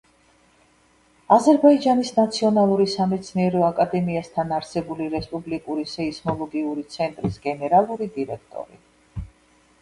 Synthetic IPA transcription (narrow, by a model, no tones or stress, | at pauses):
azɛɾbaid͡ʒanisnat̪sʰiɔnalˠuɾisamɛt̪sʰniɛɾɔakʼad̪ɛmiast̪ʰanaɾsɛbuliɾɛspʼublikʼuɾisɛismɔlˠɔɡiuɾit̪sʰɛnt̪ʼɾisɡɛnɛɾalˠuɾid̪iɾɛk̚ʰt̪ʼɔ̰ɾḭ